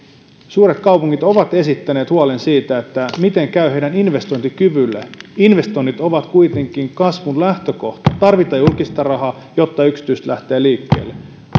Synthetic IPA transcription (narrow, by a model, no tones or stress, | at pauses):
suːɾe̞t̪kɑupuŋːit̪o̞ʋɑt̪e̞sit̪ːæneːt̪huɑlensiːt̪æet̪ːæmit̪e̞ŋkæyhe̞idæninʋe̞st̪o̞jnt̪ikyʋylːḛinʋe̞st̪o̞jnːit̪o̞ʋɑt̪kuit̪e̞ŋk̟iŋkɑsʋunlæht̪øko̞ht̪ɑ̥t̪ɑrʋit̪ɑjulkist̪ɑrɑɦɑ | jo̞t̪ːɑyksi̥t̪yst̪lʔæht̪e̞ːliːkːḛːlːe